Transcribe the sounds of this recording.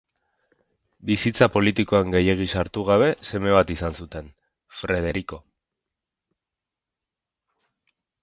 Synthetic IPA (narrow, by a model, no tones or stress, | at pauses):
bisit͡sapo̞lit̪iko̞aŋɡe̞je̞ɣ̞isaɾt̪uɣ̞aβ̞e̞se̞me̞βat̪isansut̪e̞n | fɾe̞ð̞e̞ɾiko̞